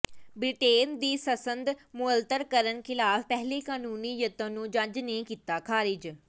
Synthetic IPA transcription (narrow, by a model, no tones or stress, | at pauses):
bɾɪʈeːnd̪iːsəsənd̪mʊəlt̪əɾkəɾənkʰɪlaːfpɛɦleːkaːnuːniːjət̪ə̃ːnũːd͡ʒad͡ʒnekiːt̪aːkʰaːɾɪd͡ʒ